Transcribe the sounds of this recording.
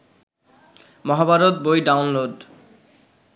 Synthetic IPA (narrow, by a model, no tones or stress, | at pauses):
mɔɦabaɾot̪̚bojɖawnloɖ